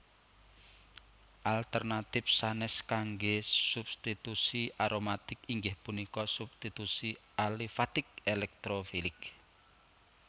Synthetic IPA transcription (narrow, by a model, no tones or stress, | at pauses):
ʔalt̪ɛrnat̪ɪfsanɛskaŋɡesub̚st̪it̪usiaɾomat̪ɪkiŋɡɪhpunikɔsub̚st̪it̪usi | alifat̪ɪk̚elɛk̚t̪ɾofilɪk